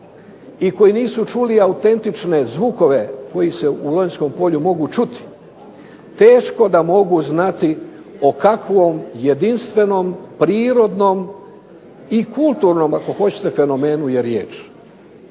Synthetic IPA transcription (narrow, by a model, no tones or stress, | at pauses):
iko̞jiniːsut͡ʃuliaut̪e̞nt̪it͡ʃne̞zʋuko̞ʋe̞ko̞jise̞ulojnsko̞mpo̞ʎumo̞ɡut͡ʃut̪i̥ | t̪e̞ːʃko̞d̪amo̞ɡuznat̪i | o̞kakʋo̞mje̞d̪inst̪ʋe̞no̞mpɾiːɾo̞d̪no̞m | ikulˠt̪uɾno̞mako̞xo̞t͡ɕe̥t̪e̞fe̞no̞me̞ːnujeɾjḛːt͡ʃ